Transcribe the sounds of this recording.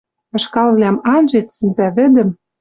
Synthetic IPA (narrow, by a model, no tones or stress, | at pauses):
ɤ̆ʃkɑlβlʲæmɑnʒet̪sɘ̆nzæβɘ̆d̪ɘ̆m